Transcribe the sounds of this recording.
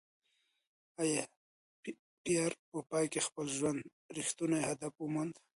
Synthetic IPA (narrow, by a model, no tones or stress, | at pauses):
aje | pijaɾpəpɑjkexpəlʒwand̪ | ɾixt̪unajhad̪afumand̪